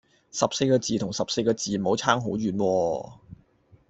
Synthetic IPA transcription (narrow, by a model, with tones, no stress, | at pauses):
sɐ˨p̚se˧jkɔː˧t͡siː˨t̪ʰʊ˨˩ŋsɐ˨p̚se˧jkɔː˧t͡siː˨˩mo˨˥wt͡sʰaː˥ŋɦo˨˥wɥyː˨nwɔː˧